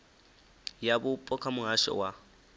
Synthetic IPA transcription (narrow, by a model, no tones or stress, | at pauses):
jabʊpʼɔkʰamʊɦaʃɔ̰wa